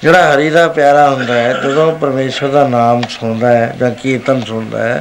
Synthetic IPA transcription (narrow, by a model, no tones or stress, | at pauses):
d͡ʒeːɽaːɦəɾiːd̪aːpjaːɾaːɦʊnd̪aːɦɛːd͡ʒod̪õːpəɾmeːʃəɾd̪aːnaːmsʊɳ̃d̪aːɦɛːd͡ʒãːkiːt̪ənsʊɽ̃d̪a̰ːɦɛ̰ː